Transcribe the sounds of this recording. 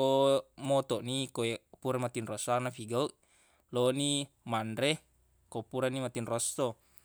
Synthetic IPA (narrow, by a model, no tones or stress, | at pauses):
omɔt̪ɔʔnikoepuɾamat̪inrɔsanafiɡauʔ | loni | mandɾe | kopuɾanimat̪inrɔst̪o